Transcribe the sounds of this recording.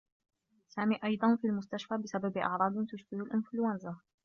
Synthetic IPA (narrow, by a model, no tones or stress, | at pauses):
saːmiːʔɑjd̪ˤɑnfiːlmʊst̪aʃfaːbɪsababʔɑ̰ʕɾˤɑːd̪ˤɪt̪ʊʃbɪhʊlʔɪnflʊanza